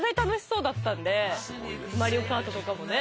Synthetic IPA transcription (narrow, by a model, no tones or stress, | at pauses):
ɡaɲʲi̥t̪ano̞ɕi̥so̞ːd̪at̪ːãnd̪e̞ | maɾʲio̞kaːt̪o̞t̪o̞kamo̞ne̞